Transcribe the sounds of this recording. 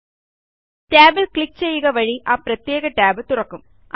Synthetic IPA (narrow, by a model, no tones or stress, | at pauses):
ʈaːbɪlkɭɪk̚t͡ɕejːɯɣɐʋɐɻiʔaːpɾɐt̪jeːɣɐʈaːbɨt̪ʊrɐkːɯm | ʔ